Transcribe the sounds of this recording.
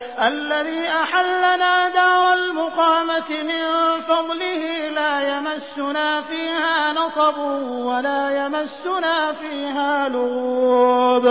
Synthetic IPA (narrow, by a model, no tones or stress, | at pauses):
ʔalːaðiːʔaħalːanaːd̪aːɾˤɑlmʊqɑːmat̪ɪmɪnfɑd̪ˤlɪhiːlaːjamasːʊnaːfiːhaːnɑsˤɑbʊwalaːjamasːʊnaːfiːɦaːlʊɣuːb